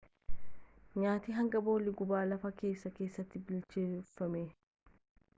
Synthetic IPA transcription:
ɲaːt̪iːɦɐŋɡɐbo̞ːlɪɡʊbaːlɐfɐke̞ːsːɐkeːsːɐt̪ːɪbɪlt͡ʃeʊfːɐmeː

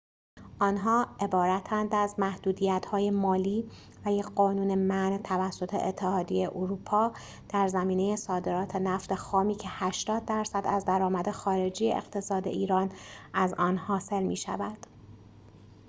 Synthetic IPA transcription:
ʔɒːnɦɒːʔe̞bɒːɾæt̪ʰænd̪æzmæhd̪uːd̪ijæt̪hɒːje̞mɒːliː | væjeɢɒːnuːne̞mænt̪ʰævæsːo̞t̪ʰe̞̰et̪ʰːe̞hɒːd̪ijeʔoɾuːpʰɒː | d̪̥æɾzæmiːneje̞sɒːd̪e̞ɾɒːt̪ʰenæft̪e̞xɒːmiːcʰe̞hæʃt̪ɒːd̪̚ːæɾsæd̪æzd̪æɾɒːmæd̪e̞xɒːɾe̞d͡ʒiːjḛʔḛɣt̪ʰe̞sɒːd̪e̞̰ʔiːɾɒːnæzɒːnhɒːse̞lmiːʃæ̰vænd̪̥

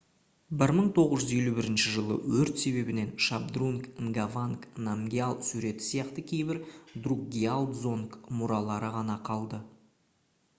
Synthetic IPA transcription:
bɪɾməɴt̪ʰo̞ʁəzʒʏze̞lubɪɾɪnʃɪʒəlˠə̰wɵɾt̪se̞βe̞bɪne̞nʃabd̪ruŋkŋɡavaŋknamɡʲialˠsuɾe̞t̪ɪ̥sijɑqt̪əkʲʰe̞jbɪɾd̪ruɡʲialˠd̪zo̞nkmʊɾɑlˠɑɾəʁɑnɑqʰɑlˠd̪ə

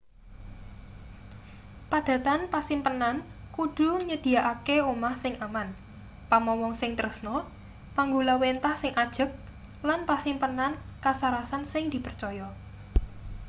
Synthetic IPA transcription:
pad̪̥ä̤t̪anpasɪmpənan | kud̪̥ṳɲəd̪̥i̤aʔakeumahsɪŋʔaman | pamɔwɔŋsɪŋt̪əɾəsnɔ | paŋɡulawent̪ahsɪŋʔad̥ʒ̥ə̤p̚ | lanpasimpənankasaɾasansɪŋd̪̥i̤pərt͡ʃɔjɔ

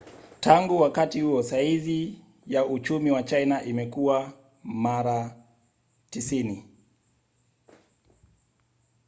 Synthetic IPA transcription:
tʰaŋɡuwakatihuɔsaizi | jaut͡ʃumiwat͡ʃainaʔimɛkuwa | maɾa | tisini

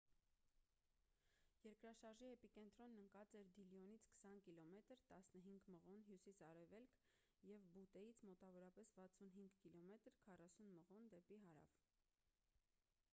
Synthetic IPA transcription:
jɛɾkɾɑʃɑɾʒiɛpikɛnt̪ɾɔnːəŋkɑt͡sɛɾd̪iljɔnit͡sʰkʰə̥sɑnkilɔmɛt̪əɾt̪ɑsnəɦiŋɡməʁɔnɦjusisɑɾɛvɛlkʰ | jɛvbut̪ɛjit͡sʰmɔt̪ɑvɔɾɑpɛsvɑt͡sʰunɦiŋɡkilɔmɛt̪ɾkʰɑrɑsunməʁɔnd̪ɛpiɦɑɾɑ̰v

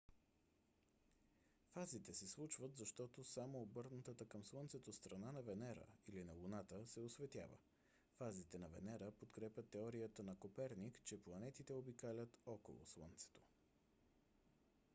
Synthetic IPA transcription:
fazit̪ɛsɛslˠut͡ʃvət̪zɐʃt̪ɔt̪osamoːbɤɾnɐt̪ət̪əkəmslˠənt̪sɛt̪ost̪ɾɐnanɐvɛnɛɾə̰ilinɐlˠunat̪əsɛosvɛt̪ʲja̰və̰ | fazit̪ɛnɐvɛ̰nɛɾəpot̪kɾɛpʲət̪ːɛɔɾijət̪ənɐkopɛɾnikt͡ʃɛplˠɐnɛt̪it̪ɛobikalʲət̪ɔko̰lˠo̰slˠə̰nt̪sɛ̥t̪o̥

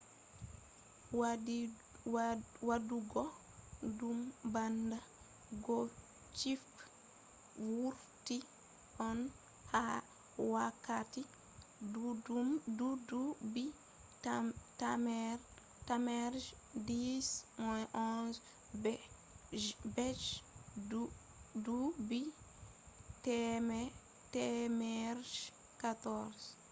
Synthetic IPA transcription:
w | waduɡɔ | dumbanda | ɡɔ | t͡ʃif | wuɾ | ti | ʔɔn | ha | wakːati | dudubi | tamɛɾ | tamɛɾd͡ʒ | dismɔjʔɔnz | bɛ | bɛd͡ʒ | dubi | tɛmɛ | tɛmɛɾʃ | katɔɾs

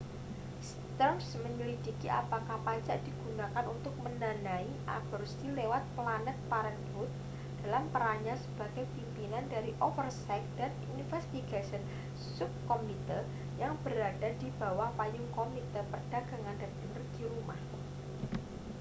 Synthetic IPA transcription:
s | t̪msməɲulidi̤kiʔa̰pakahpaɲt͡ʃaʔd̥i̤ɡ̥unakanunt̪ʊk̚mənanaiʔa̰b̥ərsilewat̪̚planɛt̪̚paɾənɡut̪̚ | d̥a̤lampəɾaɲasəb̥a̤ɡ̥ajpimpinandaɾiʔofərsɛk̚d̥ɛt̪̚infɛst̪iɡasən | sʊp̚komit̪ər | jaŋb̥əɾadadi̤b̥a̤wahpajʊŋkomit̪ərpərd̥aɡaŋandadəŋrəɡiɾumah

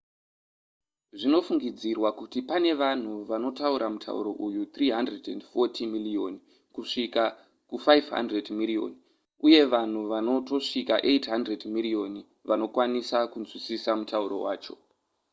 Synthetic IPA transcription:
ʐino̞fuŋɡid͡zirwakutipane̞ʋan̤uʋano̞tauɾamutʰa̰ṵɾo̞̰ʔujut̪riːɦandredḛndfo̞tʰimilio̞n | kuʂika | kufajvɦa̰ndredmirio̞̰ni | uje̞ʋan̤uʋano̞to̞ʂikaʔe̞tɦandredmirio̞ni | ʋano̞kwanisakunzwisisamutauɾo̞̰wa̰ːt͡ʃo̞̥̰

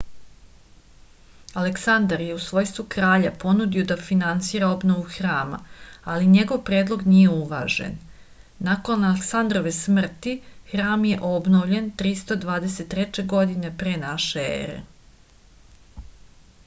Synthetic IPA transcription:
aleksand̪aɾjeusʋo̞ːjst̪ʋukɾaːʎapo̞nud̪io̞d̪afinant̪siːɾaobno̞ʋuxɾaːma̰aliɲeɡo̞ʋpɾe̞ːd̪lˠo̞ɡnijeuʋa̰ːʒḛnː | ako̞naleksand̪ɾo̞ʋesmr̩t̪ixɾaːmje̞ʔo̞bnoʋvʎe̞nt̪ɾist̪od̪ʋaːd̪eset̪ːɾɛt͡ɕe̞ɡo̞d̪ine̞pɾeːnaʃeḛɾḛ

